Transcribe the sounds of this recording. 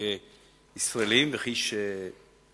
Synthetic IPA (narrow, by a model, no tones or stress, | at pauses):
e | isʁaelimveχiʃe